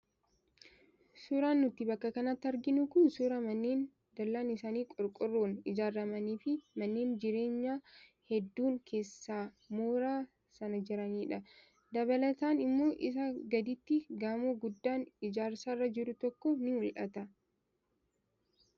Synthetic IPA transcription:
suːɾaːnːʊt̪ːɪbɐkːɐkɐnɐt̪ːɐɾɡɪnʊkʊnsʊɾɐmɐnːeːn | d̪ɐlːaːnɪsaːniːkʼɔɾkʼʊrːoːnɪd͡ʒaːɾːɐmɐniːfɪmɐnːe̞ːnd͡ʒɪɾe̞ːɲːaː | hɛd̪ːuːŋkʰe̞ːsːaː | moːɾaː | sɐnɐd͡ʒɪɾɐniːᶑɐ | d̪ɐβɐlɐt̪aːnɪmːo̞ːʔɪs̬ɐɡɐd̪ɪt̪ːɪɡaːmoːɡʊd̪ːaːnɪd͡ʒaːɾsaːrːɐd͡ʒɪɾʊt̪ɔkːɔnɪhʊlʔɐ̰t̪ɐ

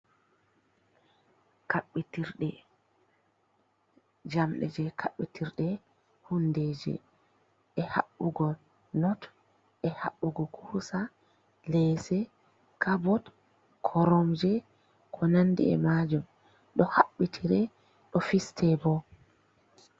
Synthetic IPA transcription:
kaɓːitiɾɗɛ | d͡ʒamɗɛ̰d͡ʒɛkʰaɓːitʰiɾɗɛ | hundɛd͡ʒɛ̰ | ʔɛha̰ɓːuɡɔ | nɔt | ʔɛhaɓːuɡɔkʰuhusa | lɛsɛ | kʰabɔt | kʰɔɾɔmd͡ʒɛ | kʰɔnandḭɛ̰mad͡ʒum | ɗɔhaɓːitʰiɾɛ | ɗɔfistʰɛbɔ

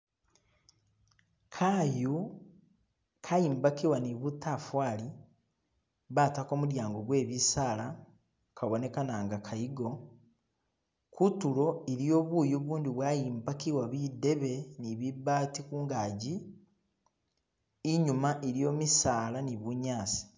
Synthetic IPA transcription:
kʰaju | kʰajiːmbakiwaniβutafwaːli | βaːtako̞ːmuɾjaːŋɡo̞ɡwe̞ːβisaːla | kʰaβo̞ne̞kanaːŋɡakʰaiɡo̞ | kʰutulo̞eɾijo̞ːβuːjuβuːndiβwaːjiːmbakiwaβide̞βe̞niβibaːtikuːŋɡaːɟi | ɲumaʔeɾjo̞ːmisaːlaniβuɲaːsi̥

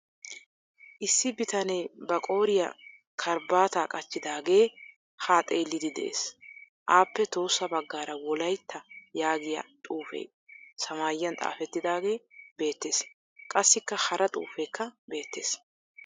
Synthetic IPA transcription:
ʔɪsːɪbɪt̪ɐnɛjbɐkʼo̞ːɾɪjɐ̰ | kʰɐɾbaːt̪aːkʼɐt͡ʃːɪd̪aːɡe̞ː | haːt̪ʼeːlːɪd̪ɪd̪ɛ̰ʔḛːs | ʔaːpːɛt̪o̞ːsːɐbɐɡːaːɾɐwɔlɐjt̪ʰːɐjaːɡɪjɐ̰t̪ʼuːfḛː | sɐmaːjɪːɐnt̪ʼa̰ːfɛt̪ːɪd̪aːɡe̞ːbe̞ːt̪ːeːs | kʼɐsːɪkːɐhɐɾʔɐt̪ʼṵːfeːkʰːɐbeːt̪ːḛːs

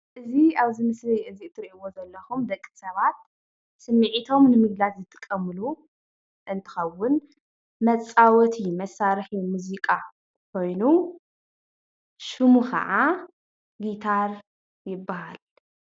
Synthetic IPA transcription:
ʔɨziaβzɨmɨslɨjʔɨziɨt̪ʰːɨɾiʔiwo̞zɐlːɐxumd̪ɐkʼːisɐβat̪̚ | sɨmːɨʕit̪ʰo̞mnɨmɨɡlat̪zɨt̪ʰːɨ̥kʼɐmːlu | ʔɨnt̪ʰɨ̥xɐwʊn | mɐt͡sʼawɔt̪ʰimɐsaɾħimuzikʼa | kʰo̞jnu | ʃɨmukʰɐ̰ʕa | ɡit̪ʰaɾ | jɪbːahal

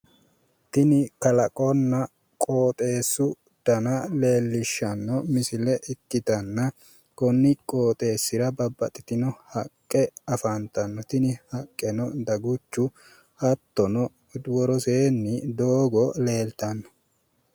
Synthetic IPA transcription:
t̪ɪnɪkɐlɐkʼɔnːɐ | kʼoːt̪ʼe̞ːsːʊ | d̪̥ɐnɐle̞ːlːɪʃːɐnːɔmɪsɪlɛʔɪkːɪt̪ɐnːɐ | kɔnːɪkʼo̞ːt̪ʼe̞ːsːɪɾɐbɐbːɐt̪ʼɪt̪ɪnɔhɐkʼːɛɐfɐnt̪ɐnːɔt̪ɪnɪhɐkʼːɛnɔd̪ɐɡʊt͡ʃːʊ | hɐt̪ːɔnɔ | d̪wɔɾɔseːnːɪd̪oːɡɔle̞ːlt̪ɐnːɔ̥

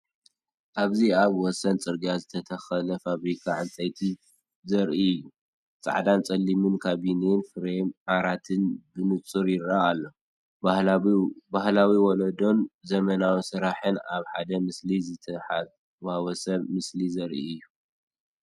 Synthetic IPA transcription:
ʔaβziaβwɔsɐnt͡sʼɨɾɡazɨt̪ʰɐt̪ʰɐxɐlɐfaβɾikʰaʕɨnt͡sʼɐjt̪ʰi | zɐɾʔiɨjːu | t͡sʼa̰ʕd̪ant͡sʼɐlːimɨnkʰaβinenfɨɾemʕaɾat̪ʰɨnbɨnɨt͡sʼːɨɾjɪɾaalːo | bahlawiwɔlɐd̪o̞nzɐmɐnawisɨɾaħɨnaβħad̪ɐmɨslizɨt̪ʰɐħa | wawɐsɐmɨslizɐɾʔḭɨjːu

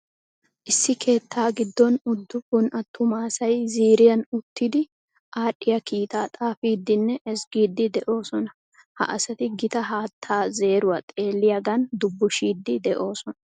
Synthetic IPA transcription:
ʔɪsːɪkʰe̞ːt̪ʰːaːɡɪd̪ːɔnʊd̪ːʊbʊnʔɐt̪ːʊmaːsɐjziːɾɪjɐnʊt̪ːɪd̪ɪ | ʔaːɗɪjɐkiːt̪aːt̪ʼaːfiːd̪ːɪnːɛʔɛsɡiːd̪ːɪd̪ɛʔo̞ːsɔnɐ | hɐ̰ʔɐsɐt̪ɪɡɪt̪ɐɦaːt̪ʰːaːze̞ːɾʊwɐt̪ʼe̞ːlːɪjɐɡɐnd̪ʊbːʊʃiːd̪ːɪd̪ɛʔo̞ːsɔnɐ

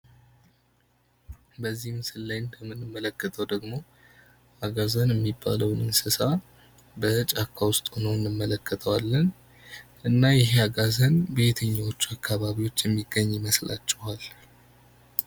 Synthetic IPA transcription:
bəzːihmɨsɨlːajnbəmːɨnːɨmːələkːət̪ʰəwd̪əɡmo̞ | aɡazənjɛmːibːa̰ləwnɨnsɨsa | bət͡ʃʼakʰːawʊst̪ʼhonowɨnːɨmːələkːət̪ʰəwalːən | ʔɨnːajɪɦeaɡazənbe̞t̪ʰəɲːawo̞t͡ʃːuakʰːaβaβiwo̞t͡ʃːjɛmːiɡəɲːjɪməsla̰t͡ʃːɛhal

